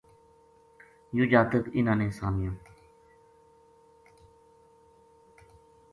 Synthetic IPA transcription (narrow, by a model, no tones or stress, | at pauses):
jud͡ʒaːt̪ək̪ɪnãːnẽːsaːmɪjõː